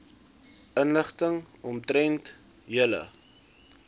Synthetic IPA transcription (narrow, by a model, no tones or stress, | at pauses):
ənləχtəŋɔmtɾɛnt | jələ̰